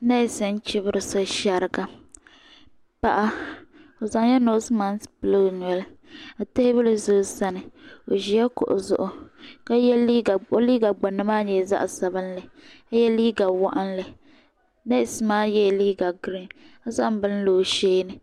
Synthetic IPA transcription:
na˦˨sɛ˦n˦t͡ʃɪ˦bɨ˦ɾɨ˨so˦ʃa˨ɾɨ˨ɡa˨ | pa˦˨ʔa˦o˨za˨ŋ˦jɛ˦no˦sɨ˦ma˦n˦spɨ˦˨lo˦˨ɲɛ˨la˨te˦hɪ˦bɨ˦lɨ˨zʊ˦sa˦nɨ˨o˨ʒi˨jɛ˦kʊ̰˨ʔʊ̰˨zʊ̰˦ʔʊ˦ka˦jɛ˦i˦ɡa˨o˦liː˦ɡa˨ɡ͡ba˨nɨ˦maː˦ɲɛ˨za̰˦ʔsa˨bɨ˦n˦lɨ˨ka˦jɛ˦liː˦ɡa˨wa˦ʔa˦nlɨ˨ | na˦ɪ˨sɨ˦maː˦jɛ˦˨liː˦ɡa˨ɡɾi˦na˦za˦ʔm˦bɨ˦n˦loː˨ʃeː˦nɨ˨

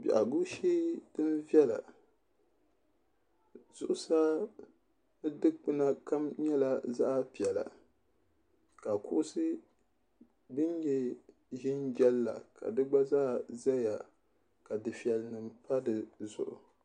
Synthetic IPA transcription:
bḭ˨ʔa̰˨ɡu˦ʃiː˦dɨ˦n˦vɛ˦la̰˨ | z̥ʊ˨ʔʊ˦saː˦ | nɨ˦dɨ˦k͡pɨ˦na˦ka˦mɲɛ˦la˦za˦ʔa˦˨pi˨ɛ˨la̰˨ | ka˨kʊ˦ʔʊ˦sɨ˦ | bɨ˦njɛ˦ | ʒɪ˦nd͡ʒɛ˦lːa̰˨ka̰˨dɨ˦ɡ͡ba˦zaː˦za˦ja˨ | ka˨dɨ˨fi˨ɛ˨lnɨ˨mpa˦dɨ˨zʊ̰˨ʔʊ̰˨

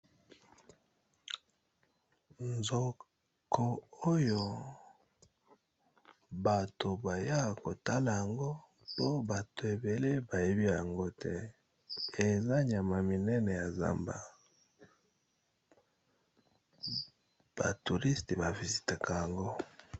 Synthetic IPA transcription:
nzo˨ | kʰo˨o˦jo˨ | ba˨to˨ba˨ja˦˨ko˨ta˦la˨ja˨ŋɡo˦ | po˦ba˨to˨e˨be˨le˦ba˨je˦bi˦ja˨ŋɡo˦tʰɛ˦ | e˨za˦ɲa˨ma˨mi˨nɛ˦nɛ˨ja˨za̰˦mba̰˨ | b̥a̰˨tu˨ʁi˦ste˨ba˨vi˨zi˨ta˨ka˨ja˨ŋɡo˦

